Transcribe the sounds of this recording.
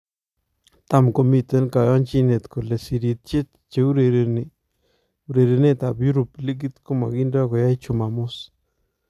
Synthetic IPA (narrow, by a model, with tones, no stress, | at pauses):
t̪a˦mko˨mi˦˨t̪ɛ˦nka˨jɔ˦nt͡ʃi˦ne˨t̪ko˨le˨si˨ɾi˨t̪̚t͡ʃe˦t̪̚ | t͡ʃe˨u˦ɾe˨ɾn˨ | u˨ɾe˨ɾe˨ne˦t̪a˨pju˦ɾu˨pli˦k̬i˦t̪ko˦ma˨ki˦nda˦kɔ˨ja˦jt͡ʃu˨ma˨mʊ˦s